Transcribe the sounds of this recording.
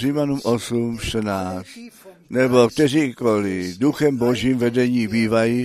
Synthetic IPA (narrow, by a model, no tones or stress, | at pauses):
rimanumʔosumʃt̪ənaːt͡st̪nɛbokt̪ɛriːkoliduxɛmboʒiːmvɛdɛɲiːbiːvaji